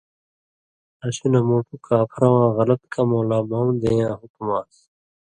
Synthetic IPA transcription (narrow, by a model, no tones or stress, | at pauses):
ɐɕinɐmoːʈukʰaːpʰɾɐwãːɣɐlɐt̪kʰɐmoːlaːmawd̪eːjãːɦukumaːs